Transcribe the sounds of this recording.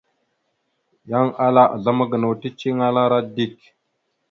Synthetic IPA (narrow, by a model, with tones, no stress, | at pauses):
ja˦ŋa˦la˦ʔa̰˨ɮa˦ma˦ɡə˨na˨wti˦t͡ʃi˦ŋa˦la˦ɾa˦di˦˨k̚